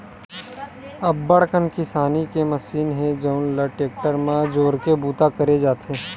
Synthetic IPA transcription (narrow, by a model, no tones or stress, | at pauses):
ɐbːəɽkənkɪsaːnikemɐsiːnɦẽd͡ʒəʊnlɐʈeːk̚ʈəɾmãd͡ʒoːɾkebuːt̪akɐɾed͡ʒaːt̪ʰeː